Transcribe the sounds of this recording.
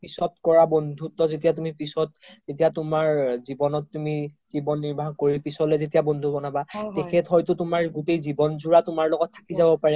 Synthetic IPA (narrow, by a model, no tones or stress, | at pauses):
pisɔtkɔɹabondʱutɔzet̬ijatumipisɔt̚zet̬ijatʊmaɹzibɔnɔtːumikibɔnːiɹbʱakoɹipisɔlɛzetijabondʱubɔnabatɛkʰɛtɦɔjtʊtʊmaɹɡutejzibɔnzuɹatʊmaɹlɔɡɔtʰːḁkizabɔpaɹɛ